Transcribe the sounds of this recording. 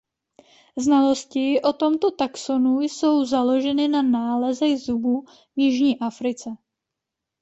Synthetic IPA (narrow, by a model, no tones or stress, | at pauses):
znalo̞scɪʔo̞t̪o̞mt̪o̞t̪aksonujso̞wzalo̞ʒɛnɪnanaːlɛzɛɣzubu | vjɪʒɲiːʔafɾɪt͡sɛ